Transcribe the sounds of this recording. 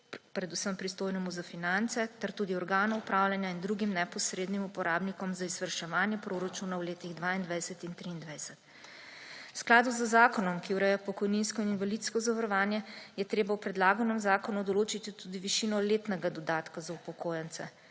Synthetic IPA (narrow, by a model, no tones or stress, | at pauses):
pɾɛd̪usəmpɾist̪oːjnɛmuzafinant̪sɛt̪ɛɾt̪uːd̪iɔɾɡaːnɔupɾʔaːwljanjaind̪ɾuːɡimnɛpɔsɾeːd̪nimupɔɾaːbnikɔmzaizʋəɾʃɛʋaːnjɛpɾoɾat͡ʃunawleːt̪iɣd̪ʋaind̪ʋajsɛt̪int̪ɾiːnd̪ʋajsɛt̪ | sklaːd̪uzəzaːkɔnɔmkiuɾɛjapɔkɔjninskɔininvʋalit̪skɔzaʋəɾɔʋaːnjɛjɛt̪ɾeːbawpɾɛd̪laːɡɔnɛmzaːkɔnud̪ɔloːt͡ʃit̪it̪ud̪iʋiʃinɔleːt̪nɛɡad̪ɔd̪aːt̪kazaupɔkoːjɛnt̪sɛ